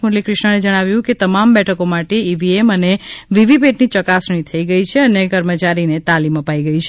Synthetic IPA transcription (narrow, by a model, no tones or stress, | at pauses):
muljikɾɪʃɳəned͡ʒəɽ̃aʋjũket̪əmambɛʈʰəkomaʈeiʋieməneʋiʋipeʈnit͡ʃəkasɳ̃it̪ʰəiɡəit͡ʃʰeənekəɾmət͡ʃaɾinet̪aliməpaiɡəit͡ʃʰe